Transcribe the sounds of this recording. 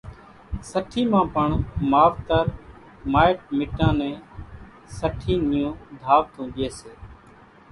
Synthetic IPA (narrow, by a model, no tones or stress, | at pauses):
səʈʰiːmãːpəɳmaːʋt̪əɾ | maːɪʈ̚mɪʈãːnẽː | səʈʰiːnɪjõːd̪ʱaːʋt̪ʰõːɗɪeːseː